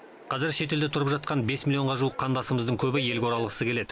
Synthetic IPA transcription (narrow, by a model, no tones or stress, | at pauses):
qʰɑzɪɾʃe̞t̪e̞ld̪et̪ʰʊɾəpʒɑt̪̚qɑnbe̞smʲilʲijo̞ɴʁɑʒuəqʰːɑnd̪ɑsəməzd̪əɴkʲʰɵbɪje̞lɡʲewoɾɑlˠəʁəsəkʲʰe̞le̞d̪ɪ